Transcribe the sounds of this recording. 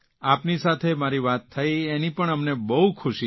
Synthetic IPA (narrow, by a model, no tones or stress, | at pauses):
apnisat̪ʰemaɾiʋat̪ʰːəienipəɳəmnebəɦukʰʊʃi